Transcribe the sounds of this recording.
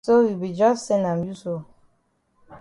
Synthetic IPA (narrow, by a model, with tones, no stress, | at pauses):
so˦wi˨bi˨d͡ʒɔ˦se˦na˨mju˦so˦